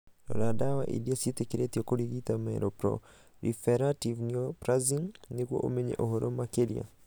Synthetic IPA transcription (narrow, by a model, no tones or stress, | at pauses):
ɔ̰laɗawaʔḭdiasitɛkiɾɛtiɔkuliɡit̪amɛɾɔpɾɔ̰ | lifɛɾativniɔpɾaziŋnikwɔ̰ʔɔmɛɲɛ̰ʔɔɦɔɾʔɔmakɛlia̰